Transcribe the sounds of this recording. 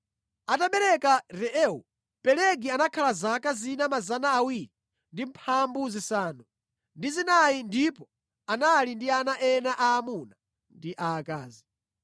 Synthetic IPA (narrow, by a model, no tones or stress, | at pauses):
ataɓɛɾɛkaɾɛʔɛu | pɛlɛɡianakʰalazakazinamazanaːwiɾi | ndim̩pʰambuzisaːnu | ndizinaindipɔ | analindianaʔɛnaʔaːmuna | ndiʔaːkaːzi